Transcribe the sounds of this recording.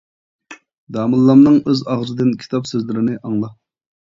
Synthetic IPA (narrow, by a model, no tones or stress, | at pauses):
d̪ɑːmɨlˠːɑmnɨŋøzɑʁzɨd̪ɨnkʲʰi̥t̪ʰɑpsøzlɪɾɪnɪʔɑŋlˠɑ